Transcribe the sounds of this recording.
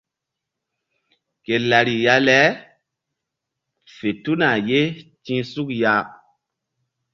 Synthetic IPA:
ke˨la˨ɾi˨ja˦lɛ˦ | fe˨tu˦na˨je˦tĩ˦su˦kja˦

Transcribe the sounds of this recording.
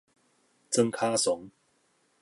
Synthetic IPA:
t͡sə˦ŋkʰa˦sʊ˨˦ŋ

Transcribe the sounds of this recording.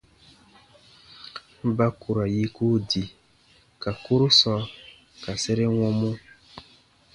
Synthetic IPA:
ba˦ku˨ɾa˨ji˦ku˦di˨ | ka˨ku˦ɾu˦sɔ˦ | ka˨sɛ˦ɾe˦wɔ̃˦mõ˦

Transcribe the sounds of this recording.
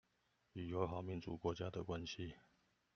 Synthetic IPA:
y˨˩jo˧˦ʊɦɑ˨˩ʊmi˧˦nt͡sṵ˨kwɔ˧˥t͡ɕja˦d̪ə˨kwa˦nɕi˦

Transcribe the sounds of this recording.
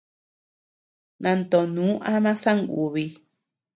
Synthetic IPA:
nã˧nt̪o˨nũ˨˦ʔa˦mã˦sa˦ŋɡṵ˨βi˧

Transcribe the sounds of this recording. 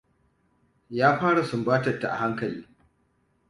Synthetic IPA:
jaː˦ɸaː˦ɽa˨sʊ˨mbaː˦tɐ˨tːa̰˨ʔa̰˨ha˦ŋkɐ˨lḭː˦

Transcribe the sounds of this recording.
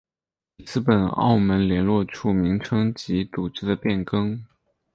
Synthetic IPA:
i˨˧˩t͡sɹ̩˥˩pə˨˩nɑ̰˥˩ʊmə˧˥nljɛ˧˥nlwɔ˥˧ʈ͡ʂʰu˥˩mi˧˥ŋʈ͡ʂʰɤ˥ŋt͡ɕi˧˥t͡su˨˩ʈ͡ʂɻ̩˥d̪ə˨pjɛ˥˩nkɤ˥ŋ

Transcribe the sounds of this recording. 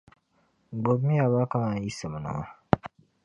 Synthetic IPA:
ɡ͡bo˨bmi˦a˨βa˦ka˦ma˨˦ji˦sə˨m˨nɔ̰˨a˦

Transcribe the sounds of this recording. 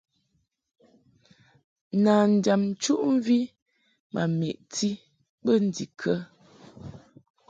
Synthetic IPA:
naː˨n̩˨da˨m̩˨t͡ʃu˦ʔm̩˦vi˦ | mʔa̰˨mi˨ʔtʰi˦ | ɓə˦˨n̩˦di˨kʰə˦

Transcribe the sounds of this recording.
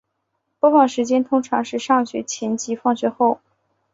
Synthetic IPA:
pfɑ˥˩ŋʂɻ̩˧˥t͡ɕjɛ˥nt̪ʰʊ˥ŋʈ͡ʂʰɑ˧˥ŋʂɻ̩˥˧ʂɑ˥˩ŋɕɥɛ̰˧˥t͡ɕʰjɛ˧˥nt͡ɕi˧˥fɑ˥˧ŋɕɥɛ˥˧xo˥˩ʊ

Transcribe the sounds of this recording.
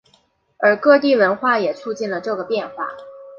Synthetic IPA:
ə˞˨˧˥kɤ˥˧t̪̬i˥˩wə˧˥nxwa˥˩jɛ˨˩t͡sʰu˥˧t͡ɕi˥˩nlə˩ʈ͡ʂɤ˥˩ɡə˩pjɛ˥˩˧nxwa̰˨˩˦

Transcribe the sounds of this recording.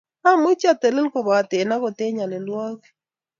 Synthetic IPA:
a˦mʊ˦t͡ʃa˦˨t̪ɛ˨lɪ˦lkɔ˨ba˨t̪e˨na˦kɔ˨t̪e˦ɲa˨lɛ˨lwa˦ɡɛ˦

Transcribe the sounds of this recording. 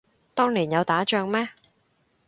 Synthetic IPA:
t̪ɔː˥ŋliː˨˩njɐ˨˧wt̪aː˨˥t͡ʃœː˧ŋmɛː˥

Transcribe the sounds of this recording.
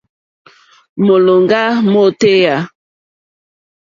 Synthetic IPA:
mo˨lo˨ŋɡa˦mo˦te˦ja˦

